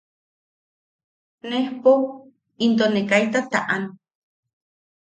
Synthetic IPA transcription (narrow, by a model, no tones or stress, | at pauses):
nehpo | int̪onekajt̪at̪a̰ʔan